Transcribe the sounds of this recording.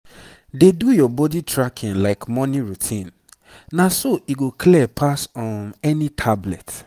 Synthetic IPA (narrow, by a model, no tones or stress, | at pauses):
dedujɔbɔditʰɹakʰĩnlaɪkmɔniɹutʰĩn | nasoʔiɡokʰliɛpʰasɔ̃nɛnitʰablɛ̰t